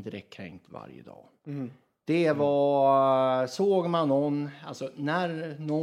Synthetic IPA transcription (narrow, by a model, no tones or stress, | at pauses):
d̪əɾɛk̚t̪̚kʰɾɛ̰ŋkt̪va̰ɾjə̰d̪ɑ̰ː | d̪̥ɛvɑ | soːɡmanːɔnalsɔnæɾnɔ